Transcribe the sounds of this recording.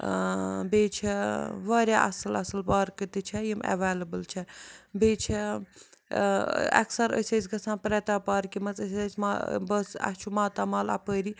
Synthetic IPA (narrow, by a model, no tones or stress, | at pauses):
beːt͡ʃʰiʋaːɾʲjaːʔɐ̰sɐlɐsɐlpaːɾkət̪it͡ʃʰɐjimɐ̰ʋeːlɐbəlt͡ʃʰɐbeːt͡ʃʰe | ɐ̰ksɐɾə̰sʲɐːsʲɡɐsãːnpɾɛt̪aːpaːɾkimɐt͡səsʲaːsʲmabɐsɐ̰t͡ʃʰumaːt̪aːmaːlɐ̰pəːɾi